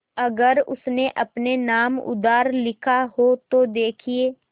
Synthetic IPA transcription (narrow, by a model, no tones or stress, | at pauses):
ɐɡəɾʊ̰sneʔɐpnenaːmʊ̰d̪aːɾlɪkʰaɦot̪od̪eːkʰieː